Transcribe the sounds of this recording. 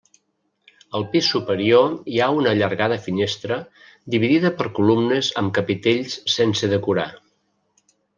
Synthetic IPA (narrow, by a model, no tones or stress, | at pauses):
əlˠpisːupəɾioiaunəːʎəɾɣaðəfinest̪ɾə | d̪iβ̞iðiðəpəɾkulumnəzəmkəpit̪eʎssensəðəkuɾa̰